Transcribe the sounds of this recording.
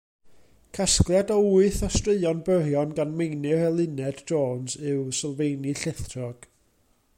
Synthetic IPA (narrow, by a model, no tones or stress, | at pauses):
kʰasklˠjadɔuɨθɔstrɨðɨɔnbərjɔnɡanmejnɨrɛlˠɨnɛdd͡ʒoːnsɨwsɪlˠvejnɨɬɛθʰrɔɡ̥